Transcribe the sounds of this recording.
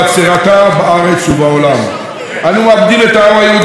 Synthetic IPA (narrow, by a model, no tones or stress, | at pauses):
sekatabaaɾɛsubaolama̰ | anĩwabdiletawaje